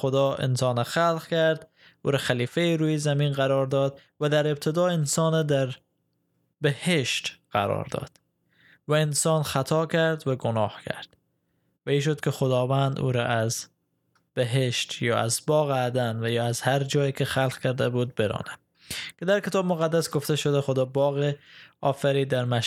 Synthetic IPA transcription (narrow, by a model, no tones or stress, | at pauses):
xod̪ɒːḛnsɒːnɛxælqkæɾd̪ | ṵːɾæxæliːfeiɾuːjezæmiːnɣaɾɒːɾd̪ɒːd̪væd̪æɾeb̚t̪ʰed̪ɒːensɒːnɛd̪æɾ | beheʃt̪qæ̰ɾɒ̰ːɾd̪ɒ̰d̪̥ | væensɒːnxat̪ʰɒːkʰæɾd̪væɡonɒːhkʰæ̰ɾd̪̥ | væiːʃ̬od̪kʰexod̪ɒːvænd̪ṵːɾɒʔæz | b̥eɦeʃt̪jɒ̰ːæ̰zbɒːɣæd̪ænvæjɒːæzhæɾd͡ʒɒːjikʰexælqkʰæɾd̪æbuːd̪̚beɾɒ̰ːnæm | ked̪æɾkʰet̪ʰɒːbmoɣæd̪ːæsɡoft̪eʃod̪æxod̪ɒːbɒːɣeɒːfæɾiːd̪æɾmæ